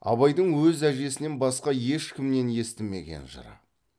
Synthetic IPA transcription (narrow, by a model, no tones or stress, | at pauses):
ɑ̰βɑjd̪əɴwɵzæʒe̞sɪne̞nbɑsqɑje̞ʃkʲʰɪmne̞nje̞st̪ɪmːe̞̰ɡʲe̞̰nʒə̰ɾɑ̰